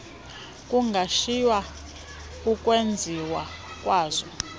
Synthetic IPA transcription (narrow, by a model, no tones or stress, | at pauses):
kʼuŋɡʱaʃijwa | ukʼwend͡zʱiwa | kʼwaːzɔ